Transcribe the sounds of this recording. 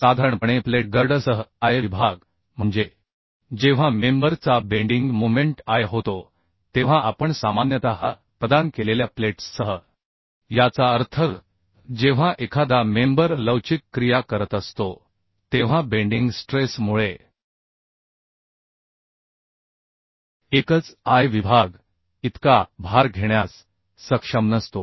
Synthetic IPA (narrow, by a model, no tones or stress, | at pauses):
sad̪ʱaɾəɳpəɳepleʈ̚ɡəɾɖəsəɦəajʋibʱaɡ | m̤əɳd͡ze | d͡ʑeʋ̤amembəɾt͡sabeɳɖiŋɡmomeɳʈajɦot̪o | t̪eʋ̤ãʔapəɳsamanjət̪aɦa | pɾəd̪ankeleljapleʈsːəɦə | jat͡saəɾt̪ʰə | d͡ʑeʋ̤aʔekʰad̪amembəɾləwt͡ɕikːɾijakəɾət̪əst̪o | t̪eʋ̤ãbeɳɖiŋɡsʈɾesmuɭe | ekət͡sajʋibʱaɡ | it̪kabʱaɾɡʱeɳjasː | əkʂəmnəst̪o